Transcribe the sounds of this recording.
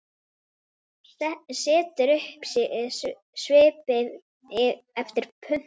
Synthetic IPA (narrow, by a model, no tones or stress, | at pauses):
sɪːt̪ʏɾʏhps | svɪːpɪð | ɪɛft̪ɪɾ̥pʰʏn̥